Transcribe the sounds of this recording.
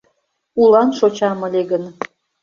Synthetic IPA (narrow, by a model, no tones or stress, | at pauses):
ulɑnʃot͡ɕɑmə̆lʲeɣən